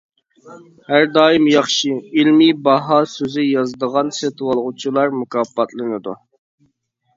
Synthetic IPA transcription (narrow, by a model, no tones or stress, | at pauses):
hæɾd̪ɑːjimjɑχʃɨilmibɑɦɑsøzɪjɑzd̪əʁɑnset̪ʰɨwɑlˠʁut͡ʃʰilˠɑɾmukʰɑpːɑt̪ʰlˠɨnɨd̪u